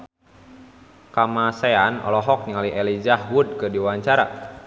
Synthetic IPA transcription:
kamaseanɔ̰lɔɦɔk̚niŋaliʔɛlid͡ʒahwud̚kɨdiwaɲt͡ʃaɾa̰

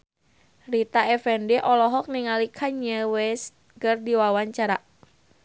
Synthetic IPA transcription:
rit̪aɛfɛndɛʔɔlɔɦɔk̚niŋalikʰaɲəwɛs | ɡərdiwawaɲt͡ʃaɾaʔ

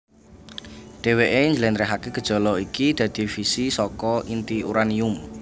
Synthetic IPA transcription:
ɖ̥e̤weʔeɲd͡ʒəlenɾɛɦakeɡ̥ə̤d̥ʒ̥ɔ̤lɔikid̪̥ä̤d̪̥i̤fisisɔkɔʔint̪iṵɾaniʊm

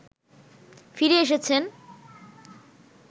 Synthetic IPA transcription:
fiɾeeʃ̬et͡ɕʰen

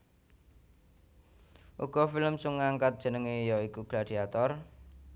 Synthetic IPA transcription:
ʔṵɡ̥ɔ̤filəmsuŋːaŋkat̪̚d̥ʒ̥ə̤nəŋejɔikuɡ̥ɾad̪̥i̤at̪ɔr

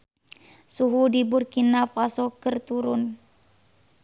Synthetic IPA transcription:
suɦudiburkinafasɔkərt̪uɾʊn

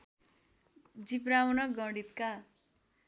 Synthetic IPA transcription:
d͡zipɾawnʌɡʌɽit̪ka

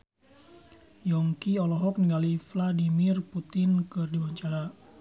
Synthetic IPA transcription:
jɔŋkiɔlɔɦɔk̚niŋɡalifladimirput̪ɪnkɨrdiwaɲt͡ʃaɾa

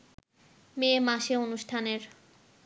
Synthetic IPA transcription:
memaʃeonuʃʈʰaneɾ

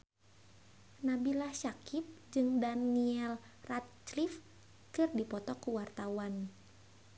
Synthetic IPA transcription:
nabilahʃakip̚d͡ʒɨŋdaniɛl | rat̪̚t͡ʃlif | kɨrdipɔt̪ɔkuwart̪awan

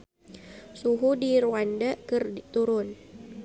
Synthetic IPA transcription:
suɦudiɾuandakɨrit̪uɾʊn

